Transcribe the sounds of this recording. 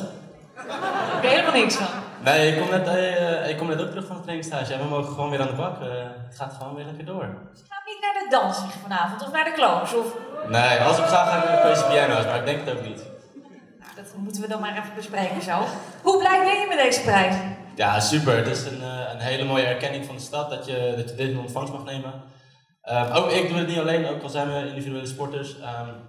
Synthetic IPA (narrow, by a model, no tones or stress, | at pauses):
ɪkɦejləmaːlˠnɪksfɑnnejɪkkːɔmnɛtɪkːɔmnɛtowktrɵχfɔnətrekistaːʒəɛʋəmowχəχəʋownʋɪːɾaːndəbɑkəətχaːtχəʋownʋɪːɹlɛkəɹdoːɹ | χaːmɪtnaːɹdədɑnsɪχfɑnaːvɔntɔfnadəklowsɔfnejɑlˠsɪkχaːχaːnɪdəføɹsəpianowsmaːɹɪɡ̚dɛŋkətowk̚nit | no̰dɔtmutənʋədɔnmaːrɛfəbəsprejkənzɛlˠfhublɛj̚bɛjəmɛtdejzəprɛjsəjaːsypəɹtɪsənənɦejləmoːjəɛɹkɛnɪŋfɔndəstɑt̚dɔtjədɔtjədenɔntfɑŋstmɑχnejmə | əowkɪk̚dudətnitalejnowkɔlˠzɛjnʋəindividyeləspɔɹtəɹsəm